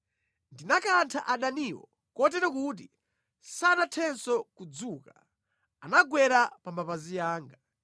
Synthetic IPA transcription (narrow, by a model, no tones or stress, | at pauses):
ndinakantʰaʔaɗaniwɔ̰ | kɔtɛɾɛkuːt̬i | sanatʰɛnsɔkud͡zuːka | anaɡwɛɾapambapazijaːŋɡa